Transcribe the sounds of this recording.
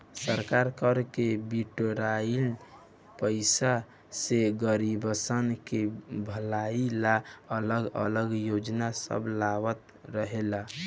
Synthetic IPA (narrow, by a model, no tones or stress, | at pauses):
səɾkaɾkəɾkebiʈɾail | pəɪsa | seɡəɾibəsənkebʱəlailaələɡə̰ləɡjod͡ʒnasə̰blawət̪ | ɾəɦela